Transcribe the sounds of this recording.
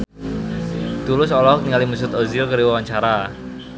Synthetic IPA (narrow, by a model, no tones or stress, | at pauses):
t̪ulʊsɔlɔk̚t̪iŋalimus̬ʊt̪ozilkəɾiwawaɲt͡ʃaɾa